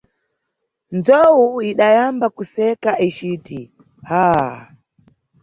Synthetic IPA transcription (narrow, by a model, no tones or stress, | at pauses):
nd͡zɔwuiɗajambakusɛkaʔit͡ʃiːti | ha